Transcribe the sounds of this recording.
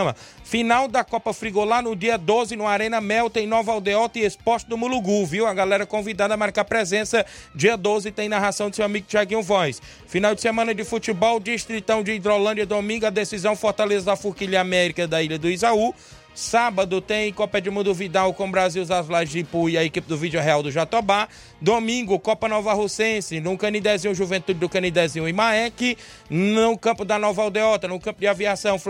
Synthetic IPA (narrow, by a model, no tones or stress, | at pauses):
mɐfinawd̪ɐkɔpɐfɾiɡolanʊd͡ʒiɐd̪ozɪnũaɾẽnɐmɛwt̪ẽj̃nɔvɐawd̪eɔt̪ẽespɔst͡ʃɪd̪ʊmuluɡuviwɐɡalɛɾɐkõvid̪ad̪ɐmaɾkapɾɛzẽsɐd͡ʒiɐd̪ozɪt̪ẽj̃naɦasɐ̃w̃d̪ɪsewamiɡʊt͡ʃiaɡĩʊvɔjs | finawd͡ʒɪsemɐ̃nɐd͡ʒɪfut͡ʃibɔwd͡ʒiʃt̪ɾit̪ɐ̃w̃d͡ʒɪid̪ɾolɐ̃d͡ʒɐd̪omĩŋɡʊɐd̪esizɐ̃w̃foɾt̪alezɐd̪ɐfuɾkiʎɐamɛɾikɐd̪ɐiʎɐd̪ʊizau | sabɐd̪ʊt̪ẽj̃kɔpɛd͡ʒɪmũd̪ʊvid̪ãʊkõbɾaziwzazlazdipuiɐekipɪd̪ʊvid͡ʒʊɦɛawd̪ʊʒat̪oba | d̪omĩŋɡʊkɔpɐnɔvɐɦosẽsɪnʊ̃kɐ̃nid̪ɛzĩʊʒuvẽnt̪ud͡ʒɪd̪ʊkɐ̃nid̪ɛzĩʊ̃ɪ̃maɛkɪ | nʊkɐ̃mpʊd̪ɐnɔvawd̪eɔt̪ɐnʊ̃kɐ̃mpʊd͡ʒɪaviasɐ̃w̃f